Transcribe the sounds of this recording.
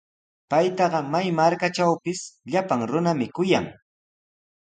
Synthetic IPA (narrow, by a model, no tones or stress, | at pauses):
pajt̪ɑɢɑmajmaɾkat͡ʃawpɪsʎapaŋɾʊnamɪkʊja̰ŋ